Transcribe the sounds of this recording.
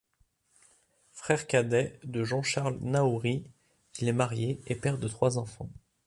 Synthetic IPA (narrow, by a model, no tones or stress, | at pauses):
fχɛʁkad̪ɛd̪əʒɑ̃ʃaʁlnauʁi | ilɛmaʁjeepɛʁd̪ət̪χwazɑ̃fɑ̰̃